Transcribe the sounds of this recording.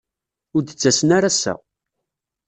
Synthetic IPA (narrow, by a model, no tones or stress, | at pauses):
ʊɾd̪ət͡sːæsnaɾasæ̰